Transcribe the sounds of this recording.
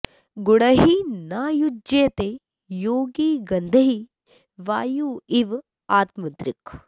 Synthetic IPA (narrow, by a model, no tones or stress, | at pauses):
ɡuɽɐɦinaːjud͡ʒeːt̪e | joːɡiːɡɐnd̪ʱɐɦi | ʋaːjuiʋ | aːt̪mud̪ɾik